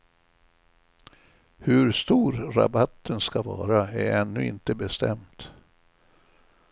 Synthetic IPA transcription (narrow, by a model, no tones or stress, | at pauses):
hɵɾst̪uːɾːa̰bat̪ːənskavɑ̰ːɾaæɾɛnːɵɪ̰nt̪əbɛst̪ɛmt̪